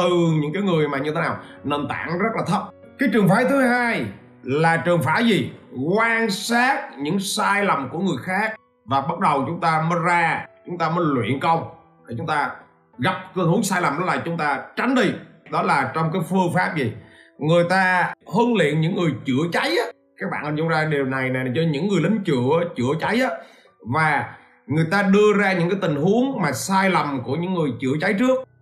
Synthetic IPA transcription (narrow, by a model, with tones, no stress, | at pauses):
t̪ɨ˨˩ɲɨ̰˧˥ŋkaː˨˦jŋɨ˨˩əjmaː˨˩ɲɨ˧t̪ʰe˨˦naː˨˩wne˧˩nt̪a̰ː˧˨ŋzə˦˥laː˨˩t̪ʰə˦˥t̚ | kaː˨˦jt͡ɕɨ˨˩əŋfaː˧˦t̪ʰɨ˨˦ɦaː˧j | laː˨˩t͡ɕɨ˨˩əŋfaː˧˥zi˨˩kwaː˧nsaː˦˥t̚ɲɨ̰˧˥ŋsaː˧jlə˨˩mku˧˩əŋɨ˨˩əjxaː˦˥k̚ | vaː˨˩ɓə˦˥t̚ɗə˨˩wt͡ɕʊ˨˦ŋ͡mt̪aː˧məː˨˦jzaː˧t͡ɕʊ˨˦ŋ͡mt̪aː˧məː˨˦jlwḭ˧˨ənkə˧wŋ͡m | ɗ̪ə˧˩t͡ɕʊ˨˦ŋ͡mt̪aː˧ | ɣa˨˩p̚tɨ˧hɨ˨˦əŋsaː˧jla˨˩mɗɔ˨˦laː˨˩t͡ɕʊ˨˦ŋ͡mt̪aː˧t͡ɕa˨˦ŋ̟ɗi˧ɗɔ˨˦laː˨˩t͡ɕɔ˧wŋ͡mkaː˨˦jfɨ˧əŋfaː˦˥p̚zi˨˩ŋɨ˨˩əjt̪aː˧həː˧nlḭ˧˨ənɲɨ̰˧˥ŋːɨ˨˩əjt͡ɕɨ˧˩ət͡ɕa˨˦jʔaː˨˦ | kaː˦˥k̚ɓa̰ː˧˨nʔə˨˩ʊ˧˦zaː˧ɗi˨˩əwna˨˩jna˨˩jt͡ɕɔ˧ɲɨ̰˧˥ŋːɨ˨˩əjlï˨˦ŋ̟t͡ɕɨ˧˩˨ʔːt͡ɕɨ˧˩ət͡ɕa˨˦jʔaː˨˦ | vaː˨˩ | ŋɨ˨˩əjt̪aː˧ɗɨ˧əzaː˧ɲɨ̰˧˥ŋkaː˨˦jt̪ï˨˩ŋ̟hu˨˦əŋmaː˨˩saː˧jlə˨˩mku˧˩əɲɨ̰˧˥ŋːɨ˨˩əjt͡ɕɨ̰˧˩ət͡ɕa˨˦jt͡ɕɨ˦˥ək̚